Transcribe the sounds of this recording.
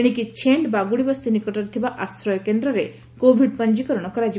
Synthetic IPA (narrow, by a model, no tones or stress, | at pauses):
ɽ̃ikit͡ʃʰeɳɖbaɡuɭibɔst̪inikɔʈɔɾt̪ʰibaʔasɾɔjɔkend̪ɾɔɾe | kobʱiɖpəɲd͡ʒikɔɾɔɽ̃ɔkɔɾad͡ʒi